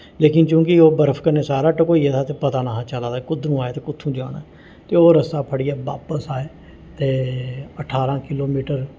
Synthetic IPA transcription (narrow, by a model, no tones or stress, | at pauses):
leːkɪnt͡ʃjũːkɪoːbəɾəpʰkəɾneːsaːɾaːʈəkoːiːɛt̪ʰaːt̪eːpət̪aːnaːɦãːt͡ʃəlaːd̪aːkʊd̪nũːaːeːt̪eːkʊt̪ʰːũːd͡ʒa̰ːnaː | t̪eːoːɾəst̪aːpʰəɽɪjaːʋa̰ːpəsaːeː | t̪eːəʈʰaːɾãːkɪloːmiːʈəɾ